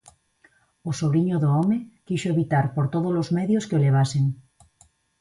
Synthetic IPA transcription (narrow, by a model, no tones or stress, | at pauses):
osoβɾiɲoðoomekiʃoeβit̪aɾpoɾt̪oðolozmeðjoskeoleβ̞aseŋ